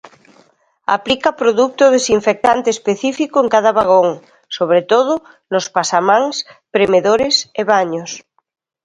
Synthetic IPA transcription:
a̰plikapɾoðuk̚t̪ʊðesiɱfek̚t̪ant̪eːspeθifikoeŋkaðaβaɣ̞oŋ | soβɾet̪oðʊ | nospasamãŋspɾemeðoɾeseβaɲos

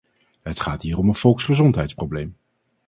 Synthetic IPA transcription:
ɦətχaːtɦiːɾɔmənv̥ɔlˠksχəzɔntɦɛjtsprowblejm

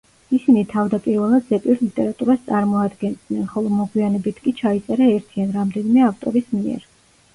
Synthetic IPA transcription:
isinit̪ʰavd̪apʼiɾvɛlˠad̪zɛpʼiɾlit̪ʼɛɾat̪ʼuɾast̪sʼaɾmɔad̪ɡɛnd̪nɛnχɔlˠɔmɔɡwianɛbit̪ʰkʼit͡ʃʰait̪sʼɛɾaɛɾt̪ʰianɾamd̪ɛnimɛaft̪ʼɔɾismiɛ̰ɾ

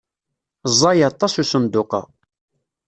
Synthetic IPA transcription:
zˤːɑjɑt̪ˤːɑsusənd̪ʊqɑ̰

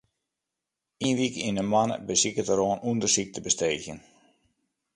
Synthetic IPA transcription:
inʋikinəmanə̰bəsikətəɾoənʔuəndəsik̚təbəsteːçjən

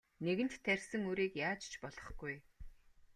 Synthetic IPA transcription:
neɣɘ̆ntt̪ʰːærʲsɘ̆ŋuɾiːkjaːt͡ɕt͡ɕpɔɮɞ̆χɡ̥uj

